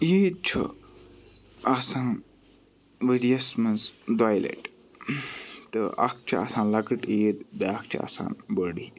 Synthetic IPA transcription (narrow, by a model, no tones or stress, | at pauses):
iːt͡ʃʰṵ | asãːn | ʋəɾiɐsmɐnsd̪aːjlḛʈ | t̪ɨɐ̰k̚ʰt͡ʃʰia̰sãːnlɐkɨʈeːd̪bek̚ʰt͡ʃʰia̰ːsa̰ːnbəɽi